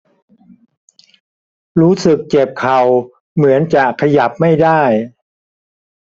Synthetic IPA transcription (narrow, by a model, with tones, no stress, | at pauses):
ɾuː˦˥sɯ˨˩k̚t͡ɕe˨˩p̚kʰa˨˩w | mɯ˩˦ənt͡ɕa˨˩kʰːa˧ja˨˩p̚ma˥˩jdaː˥˩j